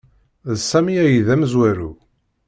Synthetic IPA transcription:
ðsæmiæjiðæmzwæɾṵ

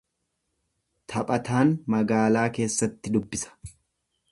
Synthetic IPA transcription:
t̪ʰɐpʼɐt̪aːnmɐɡaːlaːke̞ːsːɐt̪ːɪd̪ʊbːɪsɐ̥

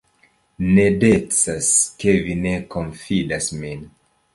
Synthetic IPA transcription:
ne̞det͡saske̞vine̞konfidasmin

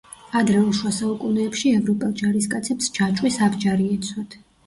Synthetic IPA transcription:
ad̪ɾɛuʃwasaukʼunɛːpʃiɛvɾɔpʼɛlˠd͡ʒaɾiskʼat̪sʰɛpsd͡ʒat͡ʃʼwisabd͡ʒaɾiɛt̪sʰwat̪ʰ

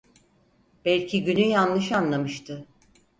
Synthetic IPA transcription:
b̥ælʲcʰiɟynyjanlˠɯʃanlˠamɯʃt̪ʰɯ

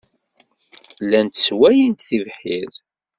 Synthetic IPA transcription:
lænt̪swæjint̪θivħið

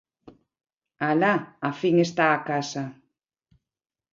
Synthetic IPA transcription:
alaafiŋest̪aːkasa

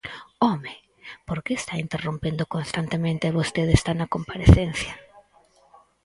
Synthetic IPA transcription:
ome | poɾkeːst̪aint̪erompend̪okonst̪ant̪emẽnt̪eβost̪eðest̪anɐkompaɾeθenθja

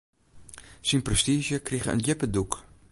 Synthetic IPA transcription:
sinprɛstiːʒəkriχəə̰njɪpəduk

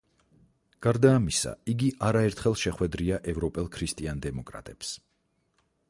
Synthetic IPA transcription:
ɡ̥aɾd̪aːmisa̰iɡiʔaɾaɛɾt̪ʰχɛlˠʃɛχwɛd̪ɾiaʔɛvɾɔpʼɛlˠkʰɾist̪ʼiand̪ɛmɔkʼɾa̰t̪ʼɛps

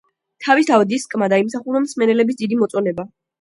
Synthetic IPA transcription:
t̪ʰavisavd̪iskʼmad̪aimsaχuɾɔmsmɛnɛlɛbisd̪id̪imɔt̪sʼɔnɛba

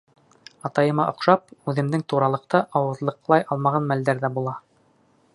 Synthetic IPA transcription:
ɑt̪ɑjɤ̆mɑʔŏqʃɑpʉðɘ̆md̪ɘŋt̪uɾɑlˠɤ̆qt̪ɤʔɑwɤ̆ðlˠɤ̆qlˠɑjʔɑlˠmɑʁɑnmæld̪æɾðæbulˠɑ

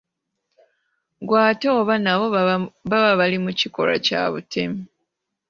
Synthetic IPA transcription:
ɡwaːtoːβanaβo̞βaβaβalimuciko̞̰ɾa̰ca̰βutʰemi

